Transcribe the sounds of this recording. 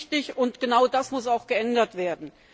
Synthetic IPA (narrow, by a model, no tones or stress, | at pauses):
tɪçʊntɡ̥ənaʊdasmʊsaʊxɡ̥əʔɛndɐtv̥eːɐdn̩